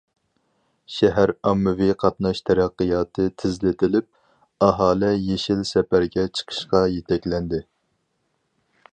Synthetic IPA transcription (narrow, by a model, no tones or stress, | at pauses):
ʃɛɦæɾɑmːɨviqʰɑt̪nɑʃt̪ʰɛɾæqːɨjɑːt̪ʰɨt̪ʰɪzlɪt̪ʰɪlɪp̚ | ɑɦɑːlɛjeʃilsɛpæɾɡʲɛt͡ʃʰə̥qʰə̥ʃqɑjet̪ʰɛkʲlɛnd̪ɪ